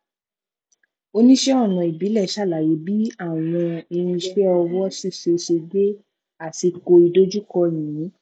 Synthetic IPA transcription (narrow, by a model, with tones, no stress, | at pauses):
o˧nĩ˦ʃɛ˦ɔ˦˨nɔ̃˨i˨bi˨˦lɛ˦˨ʃa˦˨la˨je˨˦bi˦a˦˨w̃ɔ̃˧e˧ɾ̃ĩ˧ʃɛ˦ɔ˧wɔ˦si˦˨ʃe˧ʃe˧ɡe˦ | a˦˨ti˧ko˧i˧do˦d͡ʒu˦kɔ˧j̃ĩ˨˦